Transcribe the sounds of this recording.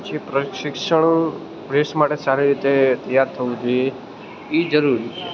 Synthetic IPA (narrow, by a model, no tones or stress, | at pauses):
t͡ʃʰipɾəʃɪkʃəɳ̃ | bɾesmaʈesaɾiɾit̪et̪əjaɾt̪ʰəʋũd͡ʒoje | id͡ʒəɾuɾit͡ʃʰe